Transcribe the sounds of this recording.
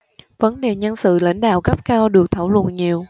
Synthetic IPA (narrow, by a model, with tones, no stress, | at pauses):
və˨˦nɗe˨˩ɲə˧nsɨ̰˧˨la̰˧˥jŋ̟ɗa̰ː˧˨wkə˦˥p̚kaː˧wɗɨ˨˩ək̚t̪ʰaː˧˩wlwə̰˧˨nɲi˨˩əw